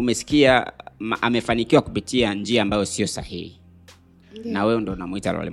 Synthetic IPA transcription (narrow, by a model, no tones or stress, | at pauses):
umɛsi̥kia̰ʔamɛfanikiwaku̥pitiand͡ʒiaːmbajɔsiɔsa̰hihḭ | nawɛɔndɔnamuita̰la̰lḭ